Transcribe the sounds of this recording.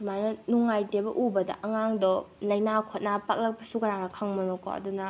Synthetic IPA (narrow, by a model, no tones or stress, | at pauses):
majnɐnuŋajtebɐʔubɐdɐ̰ʔɐŋaŋdɔlɐjnakʰot̚napak̚lɐk̚pɐsukajaŋnɐkʰaŋmɐnokɔ̰ɐ̰dunɐ